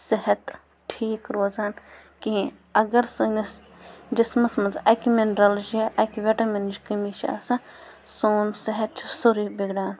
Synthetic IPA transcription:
sɐɦɐt̪ | ʈʰiːkɾoːzaːn | kiĩ | ɐɡɐɾsɨnis | d͡ʒismɐsmɐnzɐkimenɾɐld͡ʒeʔɐkiʋeʈɐmend͡ʒkɐmiʃa̰ːsɐ̃ | soːnsɐɦɐt̪̚t͡ʃʰi̥soɾiːbiɡɖaːn

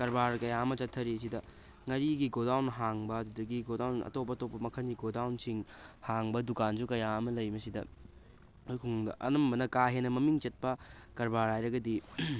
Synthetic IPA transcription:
kɐɾbaɾkɐjaɐmɐt͡ʃɐtʰːɐɾiɐs̬idɐ | ŋɐɾiɡiɡodawnɦaŋbɐɐdudɐɡiɡodawnɐ̰top̬ːɐɐtopːɐmɐkʰɐnɡiɡodawnsiŋhaŋbɐdukanzukɐjaɐmɐlɐjmɐsidɐ | kʰuŋŋdɐ̰ʔɐ̰nɐmbɐnɐkaɦenːɐmɐmiŋt͡ʃɐt̚pɐkɐɾbaɾhajɾɐɡɐdi

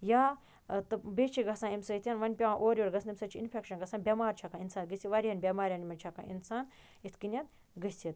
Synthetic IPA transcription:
jaː | t̪ɨbeːt͡ʃʰiɡɐsãːimsɐit̪ʰʲjɐnʋɐnʲpʲɐãʔoːɾʲjoːɾɡɐsʰnimsɐt͡ʃʰiinpʰʲekʃɐnɡɐsãːnbʲɐmaːɾt͡ʃʰɐkãːinsaːnɡɨsʲiʋɐɾiɦɐnbʲɐmaːɾʲjaːnmɐnt͡ʃʰɐkã̰ːʔḭnsaːn | it̪ʰkinʲɐt̪ | ɡɨsʲit̪̚

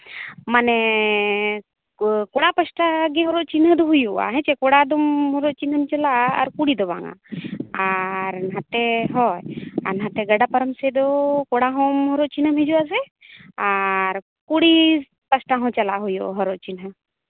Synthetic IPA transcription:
mane | koɽapəsʈaɡeɦɔɾot͡ʃinɦəd̪ɔɦujua̰ɦɛ̃t͡ʃekoɽad̪ɔmɦɔɾot͡ʃinəmt͡ʃəla̰ːɾkuɽid̪ɔba̰ŋa̰aɾnɦãt̪eɦɔja̰ɾnɦat̪eɡəɖapəɾəmsed̪ɔkoɽaɦɔ̃mɦɔɾoʔt͡ʃinəmɦed͡ʒuas̬ɛ | aɾ | kuɽi | pəsʈaɦɔ̃t͡ʃəlaɦujoɦɔɾoʔt͡ʃinɦə

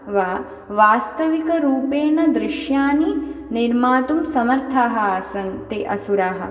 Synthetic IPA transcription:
ʋaː | ʋaːst̪ɐʋikɐɾuːpeːnɐd̪ɾɪʃjaːniniɾmaːt̪umsɐmɐɾt̪ʰaːɦɐaːsɐŋt̪eʔɐsuɾaːɦɐ̰

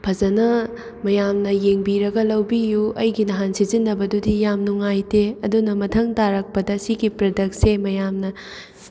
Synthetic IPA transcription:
pʰɐzɐnɐ | mɐjamnɐjeŋbiɾɐɡɐlɐwbijuɐjɡinɐɦansizinːɐbɐdudijamnuŋajteɐdunɐmɐtʰɐŋtaɾɐk̚pɐdɐsiɡipɾɐdɐk̚semɐjamnɐ

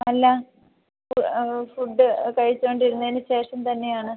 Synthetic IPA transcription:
ɐlːɐ | fufuɖːɨkɐɻit͡ɕːoːɳɖiɾunːɐðinɨɕe̞ːʂɐmt̪ɐnːe̞jaːɳɨ

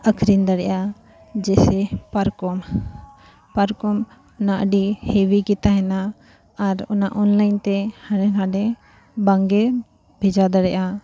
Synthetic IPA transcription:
əkʰɾind̪əɽɛjʔa | d͡ʒɛsɛpaɾkɔm | paɾkɔm | ʊnaʔəɖihewikit̪aɦɛnaː | ɾɔnaʔɔnlaint̪ɛhəɽɛnaɖɛ | baŋɡɛ | bʱed͡ʒad̪əɽɛʔa

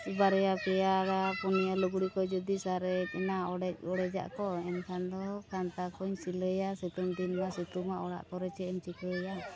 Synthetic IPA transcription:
baɾɛjapɛjaɾapunijaluɡɽikɔd͡ʒɔd̪isaɾɛunaɔɽɛɔɽɛd͡ʒa̰ʔkɔɛnk̪ʰand̪ɔkant̪akɔɲsiləjasut̪umd̪inmasut̪umaʔɔɽa̰ʔkɔɾɛt͡ʃɛɔɲt͡ʃikəja

